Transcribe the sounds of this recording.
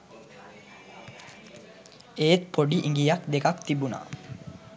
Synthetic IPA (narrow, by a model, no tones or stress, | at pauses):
eːt̪pʰɔɖiʔiŋɡijakd̪ekakt̪ibuna̰